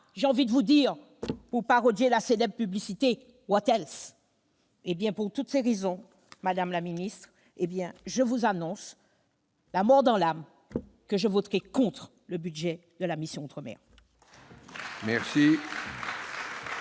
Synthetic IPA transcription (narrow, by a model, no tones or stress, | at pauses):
ʒeɑ̃vid̪əvud̪iʁ | puʁpaʁɔd̪jelaselɛbʁəpyblisit̪e | wɔt̪ɛls | ebjɛ̃puʁt̪ut̪seʁezɔ̃ | mad̪amlaminist̪χ | ebjɛ̃ʒəvuzanɔ̃s | lamɔʁd̪ɑ̃lam | kəʒəvot̪ʁɛkɔ̃t̪χ | ləbyd̪ʒɛd̪əlamisjɔ̃ɑ̃t̪χəmɛ̰ʁ | mɛʁsi